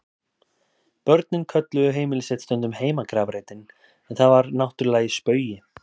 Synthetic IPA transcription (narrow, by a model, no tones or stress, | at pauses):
pœɾt̪nɪnkʰœt̪lʏðʏɦeːjmɪlɪsɛt̪st̪œnt̪ʏmheːjmakɾaːvɾeːjt̪ɪn | ɛnθaðvaɾnawht̪ʏɾlaːjɪspœːɥjɪ